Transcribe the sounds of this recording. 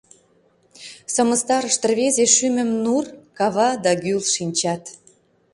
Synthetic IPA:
sə̆mə̆st̪ɑɾəʃt̪ə̆rβezeʃymə̆mnurkɑβɑd̪ɑɡylʃinʲt͡ɕɑt̪

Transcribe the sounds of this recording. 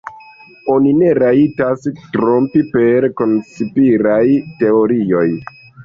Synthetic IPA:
o̞nine̞ɾaitastɾompipeɾkonsipiɾajte̞oɾio̞j

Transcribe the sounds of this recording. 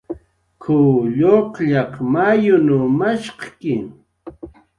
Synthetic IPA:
kʰʊʎoqʎɑqmajʊnʊmaʃqkɪŋ

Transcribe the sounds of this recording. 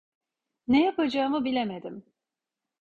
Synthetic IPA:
nejapad͡ʒaːɯmɯbilʲemed̪im

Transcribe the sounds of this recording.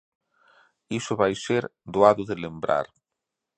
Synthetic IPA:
isʊβajseɾd̪oaðʊðelembɾa̰ɾ

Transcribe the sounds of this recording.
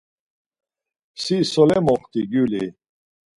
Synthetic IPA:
sisolemoχt̪iɡuli

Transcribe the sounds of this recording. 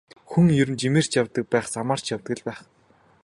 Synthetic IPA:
xuŋjɵɾɘ̆mt͡ɕimeːr̥t͡ɕjawt̪ə̆k̚pæːχsamaːr̥t͡ɕjawt̪ɡɘ̆ɮpæːχ

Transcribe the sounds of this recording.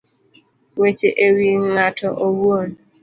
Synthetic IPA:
wet͡ʃeʔewiŋŋatʰɔʔowwon

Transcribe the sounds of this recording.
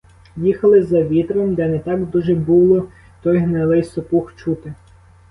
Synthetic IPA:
jixɐlˠɪzɐʋʲit̪ɾɔmd̪ɛnɛt̪ɑɡd̪uʒɛbulˠɔ | t̪ɔjɦnɐlˠɪjsɔpuxt͡ʃut̪ɪ

